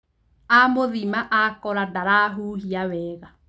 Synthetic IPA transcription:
amoðimaʔakɔɾadaɾaɦuːhiawɛɣa

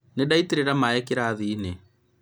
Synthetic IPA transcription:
nedaitiɾeɾamaɛkeɾaːðine

